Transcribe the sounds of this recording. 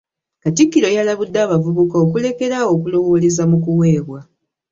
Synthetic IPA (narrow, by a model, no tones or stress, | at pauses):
katikːiɾo̞jalaβudːaːβavuβukaokule̞ke̞ɾao̞kulo̞wo̞le̞zamukuwe̞ːβwa